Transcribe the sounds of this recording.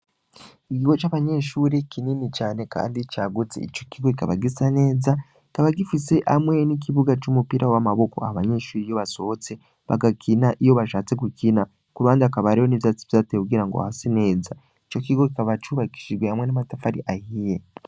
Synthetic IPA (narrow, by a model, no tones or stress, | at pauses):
iɡiɡot͡ʃaβaɲe̞ːʃuːɾekininit͡ʃaːne̞ka̰ːndit͡ʃaːɡut͡sḛit͡ʃo̞kiɡo̞kikaβaɡisane̞ːza | i̥kaβaɡifise̞ʔamwe̞nik̬iβuɡat͡ʃumupiɾawamaβo̞ko̞a̰haβaɲe̞ːʃuːɾijo̞βaso̞ot͡se̞ | βa̰ɡakʰinaʔijo̞βaʃaːt͡se̞kukina | kuɾaːndiakaβaɾihoniβzat͡si̥vjatekuɡiɾaŋɡoa̰hasine̞ːza | it͡ʃo̞kiɡo̞kikaβat͡ʃuβaki̥ʃiɾɡwehamwe̞namatafaɾiʔahije